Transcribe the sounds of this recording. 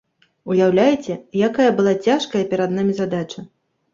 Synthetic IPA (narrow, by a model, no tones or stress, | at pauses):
ujawlʲajt͡sʲɛjakajɐbɨlˠat͡sʲaʂkɐjɐpʲɛɾad̪namʲizad̪at͡ʂɐ